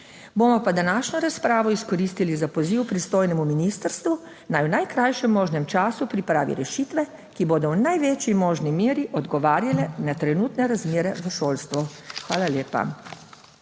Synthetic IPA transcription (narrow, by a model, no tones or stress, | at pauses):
boːmɔpad̪anaːʃnɔɾaspɾaːʋɔiskɔɾist̪ilizapɔziwpɾist̪oːjnɛmuminist̪əɾst̪ʋu | najwnajkɾajʃɛmːɔːʒnɛmt͡ʃaːsupɾipɾaːʋḭɾɛʃiːt̪ʋɛ | kiboːd̪ɔwnajʋeːt͡ʃjimoːʒnimiːɾiʔɔd̪ɡɔʋaːɾjalɛnat̪ɾɛnuːt̪nɛɾazmeːɾɛʋəʃoːlst̪ʋɔxʋaːlaljeːpa̰